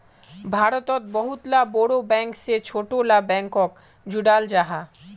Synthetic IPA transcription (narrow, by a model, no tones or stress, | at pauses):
bʱaɾot̪ot̪̚bɔɦut̪laboɽobɛŋkset͡ɕʰoʈolabɛŋkok | d͡ʑuɖald͡ʑaɦa